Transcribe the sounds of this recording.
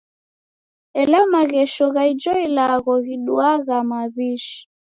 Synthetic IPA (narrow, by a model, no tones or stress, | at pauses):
ɛlamaɣɛʃɔɣaid͡ʒɔilaɣɔɣiɗuaɣamaβiʃi̥